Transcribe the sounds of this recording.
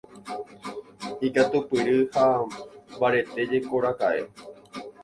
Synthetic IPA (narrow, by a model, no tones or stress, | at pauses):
ikat̪upɨɾɨha | baɾe̞t̪e̞d͡ʒe̞koɾakaʔe̞̰